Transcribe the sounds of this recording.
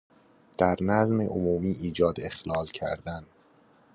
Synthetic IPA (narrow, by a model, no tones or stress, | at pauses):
d̪̥æɾnæzmeʔomuːmiːʔiːd͡ʒɒːd̪e̞xlɒːlcʰæ̰ɾd̪æn